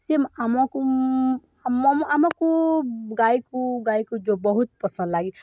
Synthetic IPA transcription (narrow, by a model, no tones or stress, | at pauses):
semamaku | mmamakuɡajkuɡaikud͡ʒobɔɦut̪̚pɔsə̃nd̪laɡi